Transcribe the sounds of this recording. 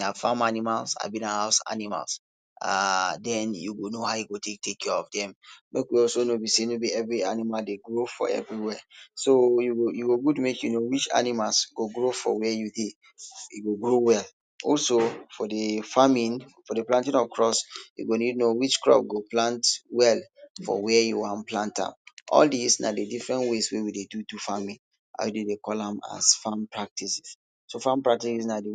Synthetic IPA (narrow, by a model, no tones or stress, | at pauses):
nafamanimalsa̰bĩnahaʊsa̰nima̰ls | a̰dɛ̃njṵɡonoɦaʊjiɡotʰek̚tekʰːɛɔvdɛ̃mmekwiɔlsonobisenobiɛvɹianimaldeɡɹofɔ̰ɛ̰vɹiwɛsojuɡojuɡoɡudmekjunowit͡ʃa̰nimalsɡ̥oɡɹofɔ̰wɛjude | iɡoɡɹowɛl | ɔlsofɔdəfamĩnfɔdeplãntĩnɔvkʰɹɔsjṵɡonidnowit͡ʃkɹɔ̰p̚ɡoplãntwɛlfɔ̰wɛjuwãnplãntã̰mʔɔ̰ldisna̰dedifɹɛ̃ntweswewidedudufamĩn | ʔa̰jdedekɔlãma̰sfãmpɹak̚tʰisi̥s | sofãmpɹak̚tisisnade